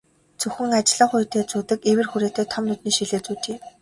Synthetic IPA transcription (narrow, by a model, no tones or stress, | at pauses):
t͡sɵxɘ̆ŋat͡ɕɪ̆ɮə̆ɴχʊjt̪eːt͡suːt̪ɘ̆kewɘ̆rxuɾeːt̪eːt̪ʰɔmnut̪niːʃiɮeːt͡suːt̪ʰeː